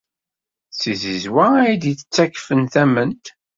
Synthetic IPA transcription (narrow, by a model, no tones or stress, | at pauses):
sizizwææjd̪iət͡sːækːfənθæmənt̪